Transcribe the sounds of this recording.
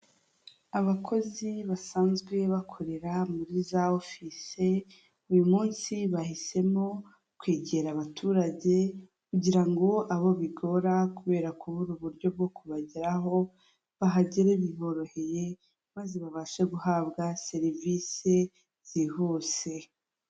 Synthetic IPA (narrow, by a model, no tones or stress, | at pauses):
aβakʰo̞ziβasaːnzɡwe̞βakʰo̞ɾe̞ɾamuɾizaofise̞ | ujumuːnsiβahise̞mo̞ | kwiːɟeɾaβatʰuːɾaɟe̞ | kuɟiɾaŋɡo̞aβo̞βiɡo̞ɾakuβe̞ːɾakuβuɾuβuɾɟo̞b̚ɡo̞kuβaɟiɾaɦo̞ | βaɦaɟiɾeβiho̞ɾo̞he̞je̞ | maːzeβaβaʃeɡuhaβɡase̞ɾivise | z̥iho̞se̞